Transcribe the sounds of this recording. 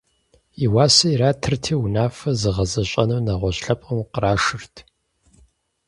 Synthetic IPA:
iwaːsɐiɾaːtʰɨrtʰiːwnaːfɐzɨʁɐzɐɕʼɐnɐwnɐʁʷɔɕɬɐpʼɐmqəɾaːʂɨrtʰ

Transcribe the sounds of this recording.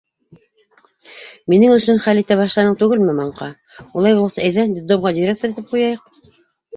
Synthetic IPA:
minɘŋɵ̆sɵnχælit̪æbɑʃlˠɑnɤɴt̪ʉɡɘlmɘmɑɴqɑ | ulˠɑjbulˠʁɑsɑæjðænd̪ʲɪd̪omʁɑdʲiɾʲekt̪ŏɾit̪ɘp̚qujɑjɤq̚

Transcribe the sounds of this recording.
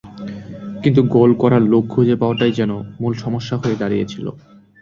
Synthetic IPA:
kint̪̬uɡolkɔɾaɾlok̚kʰud͡ʑepaoaʈajd͡ʑɛnomulʃɔmoʃːaɦoed̪aɾijet͡ɕʰilo̰

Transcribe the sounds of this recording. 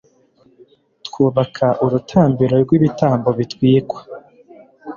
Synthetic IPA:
tkuːβakʰaʔuɾutʰaːmbiɾo̞ɾɡwiβitʰaːmbo̞βitwiːkwḁ

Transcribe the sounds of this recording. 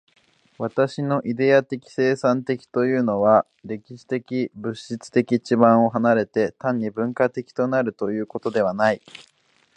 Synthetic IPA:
βat̪aɕino̞ʔid̪e̞at̪e̞kʲi̥se̞ːsãnt̪e̞kʲi̥t̪o̞jɯ̟ːno̞βa | ɾe̞kʲiɕi̥t̪e̞kʲibɯ̟ɕit͡sɨ̥t̪e̞kʲit͡ɕibãɰ̃o̞ɦanaɾe̞t̪e̞t̪ãɲ̟ːibɯ̟̃ŋkat̪e̞kʲi̥t̪o̞naɾɯ̟t̪o̞jɯ̟ːko̞t̪o̞d̪e̞β̞anai

